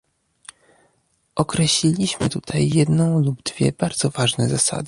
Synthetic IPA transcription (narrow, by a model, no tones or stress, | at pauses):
ʔɔkɾɛɕlʲilʲiɕmɘ̰t̪ut̪ʰajːɛd̪nɔ̃w̃lubd̪vʲjɛ̰b̥aɾd̪z̥ɔvaʐnɛzasa̰d̪ɘ